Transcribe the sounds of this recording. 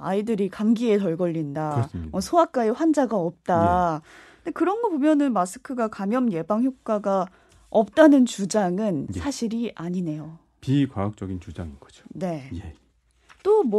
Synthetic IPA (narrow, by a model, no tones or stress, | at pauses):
aidɯɾikaŋɡie̞tʌɭɡʌʎːindamʌsʰoak̚k͈aeɸwand͡ʑaɡaʌp̚t͈a | ndekɯɾʌnɡʌbomjʌnɯnmasʰɯ̥kʰɯɡakamjʌmje̞baŋçjok̚k͈aɡa | ʌp̚t͈anɯnt͡ɕud͡ʑaŋɯnssʰaɕʰiɾiʔaɲine̞jo | pikwaak̚t͡ɕ͈ʌɡint͡ɕud͡ʑa̰ŋiɡʌd͡ʑo̥ne̞je | t͈omw